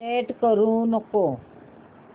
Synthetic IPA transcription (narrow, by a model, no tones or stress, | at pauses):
eʈkɔɾunɔko